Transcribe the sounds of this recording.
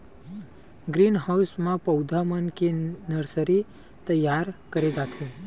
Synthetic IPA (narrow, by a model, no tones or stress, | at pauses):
ɡɾinɦawsmãpəwd̪ʱamənkenəɾsəɾi | t̪əjaɾkəɾed̪at̪ʰe